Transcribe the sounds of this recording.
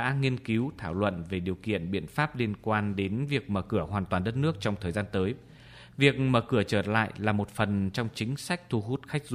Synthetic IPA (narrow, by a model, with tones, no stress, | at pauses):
ɗa̰ː˧˥ŋi˧ənki˨˦wt̪ʰaː˧˩wlwə̰˧˨nve˨˩ɗi˨˩əwkḭ˧˨ənɓḭ˧˨ənfaː˦˥p̚li˧ənkwaː˧nɗe˨˦nvi˨˩ək̚məː˧˩kɨ˧˩əɦwaː˨˩nt̪waː˨˩nɗə˦˥t̚nɨ˦˥ək̚t͡ɕɔ˧wŋ͡mt̪ʰəː˨˩zaː˧nt̪əː˨˦j | vi˨˩ək̚məː˧˩kɨ˧˩ət͡ɕəː˧˩la̰ː˧˨jlaː˨˩mo˨˩t̚fə˨˩nt͡ɕɔ˧wŋ͡mt͡ɕï˨˦ŋ̟sa˦˥jk̟̚t̪ʰu˧ɦu˦˥t̚xa˦˥jk̟̚z